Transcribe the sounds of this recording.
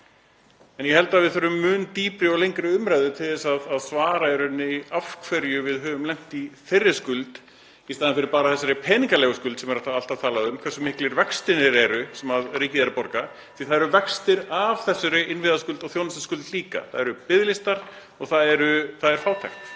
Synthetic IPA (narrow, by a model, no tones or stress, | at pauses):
ɛnjɛhɛl̪t̪avɪðθœɾʏmːʏːnt̪iːpɾɪɔɣlejŋkɾɪʏmɾajðʏt̪ʰɪlðɛsaðaðsvaːɾaɛɾʏnːɪiafkʰvɛɾjʏvɪðɦœːvʏmlɛm̥t̪iθerːɪskʏlt̪ | ist̪aðanfɪɾɪɾpaːɾaθɛsːaɾɪpʰɛːniŋkalɛːɣʏskʏlt̪sɛmɛɾat̪aal̥t̪av̥t̪ʰaːlaðʏmkʰvɛɾsʏmːɪhklɪɾvɛkst̪ɪnɪɾɛɾʏsɛmaðriːcɪðɛɾɪpɔɾka | θiθaðɛɾʏvɛkst̪ɪɾav̥θɛsːʏɾɪɪnvɪðaskʏlt̪ɔɣθjownasɪskʏlt̪liːka̰θaðɛɾʏpɪðlɪst̪aɾ̥ | ɔɣθaðɛɾʏθaðɛɾ̥faːwt̪ʰɛ̰xt̪